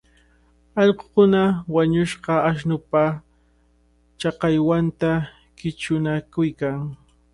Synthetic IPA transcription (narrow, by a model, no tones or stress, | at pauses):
ɑʎqo̥kʊnawaɲʊʃɢɑːʃnʊpa | t͡ʃɑqɑjwant̪a | kɪt͡ʃʊnakʊjkaŋ